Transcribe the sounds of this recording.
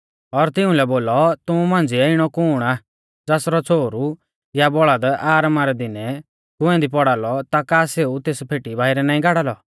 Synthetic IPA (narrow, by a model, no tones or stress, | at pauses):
ɔɾt̪ɪũlɛboːlɔt̪ʊũmãːnd͡ziɛɪɽ̃ɔkʊːɽ̃a | d͡zaːsɾɔt͡sʰoːɾu | jabɔɭad̪aːɾmaɾɛd̪ɪnɛ | ɡ̪ʊɛ̃d̪ipɔɽaːlɔt̪akaːseːut̪eːspʰeːʈibʱaːɪɾɛnãːĩɡaːɽaːlɔ